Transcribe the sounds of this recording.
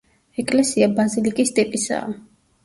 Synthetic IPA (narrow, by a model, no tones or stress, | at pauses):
ɛkʼlɛsiabazilikʼist̪ʼipʼisa̰ː